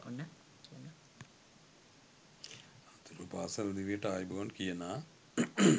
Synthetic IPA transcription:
onːa | kijna | at̪uɾupaːsəlɐd̪iʋijəʈəaːjbuʋɐnkijənaː

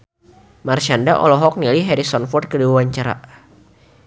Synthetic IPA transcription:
marʃandaʔɔ̰lɔɦɔk̚niliɦɛɾisɔnfɔrt̪̚kədiwawaɲt͡ʃaɾa̰

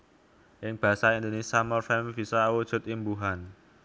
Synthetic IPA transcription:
ʔɪŋb̥a̤saind̪onesiamɔrfɛmb̥i̤sawud̥ʒ̥ʊ̤t̪imbuɦan

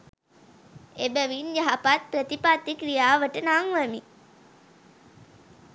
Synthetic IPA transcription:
ebəʋinjaɦapat̪̚prət̪ipat̪ːikɾijaːʋəʈənaŋʋəmi

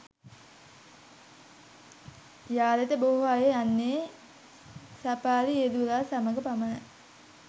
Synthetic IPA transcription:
jaːlet̪əboɦoajeanːeː | sapaːlied̪ulaːsaməɡəpamanə

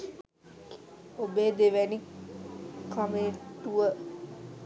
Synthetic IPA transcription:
obeːd̪eʋæni | kameːt̪ːuʋə

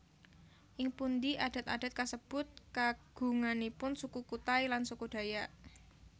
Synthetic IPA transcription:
ʔɪŋpund̪iʔad̥a̤t̪a̰d̥a̤t̪̚kasəb̥ʊ̤t̪̚kaɡ̥ṳŋanipʊnsukukut̪ajlansukud̥a̤jaʔ

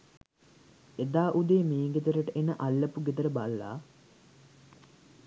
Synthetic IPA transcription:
ed̪aːʔud̪eːmiːŋɡet̪əɾəʈəʔenəʔalːəpuɡet̪əɾəbalːa̰ː

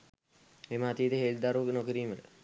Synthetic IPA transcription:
memɐat̪iːd̪eɦeːld̪aɾunokiɾiːməl̰

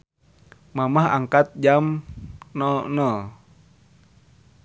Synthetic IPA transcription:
mamaɦa̰ŋkat̪̚d͡ʒamnɔnɔ

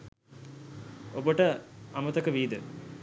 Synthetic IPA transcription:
obəʈəamɐt̪ɐkəʋiːd̪ə

